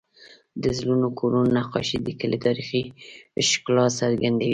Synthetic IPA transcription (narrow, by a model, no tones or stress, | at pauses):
d̪əzlunokʰoɾunnaqɑ̰ʃid̪əkələt̪ɑɾixiʃklɑsaɾɡand̪awi